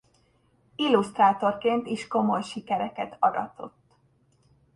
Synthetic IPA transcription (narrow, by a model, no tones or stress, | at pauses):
ilːust̪raːt̪o̞rkeːnt̪iʃko̞mo̞jʃikɛɾɛkɛt̪ʰɒɾɒ̰t̪o̞̰t̪ː